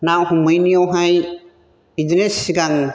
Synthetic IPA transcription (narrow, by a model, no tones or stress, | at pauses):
nawhumɯjnijɔwɦaj | id͡ʒinesiɡaŋ